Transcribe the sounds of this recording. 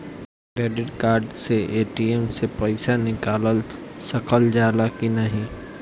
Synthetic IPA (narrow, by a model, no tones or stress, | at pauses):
kɾeːɖɪɖkaːɾɖseʔeːʈiemsepɐɪsanɪkaːləlsɐkəld͡ʒaːlakinɐɦĩ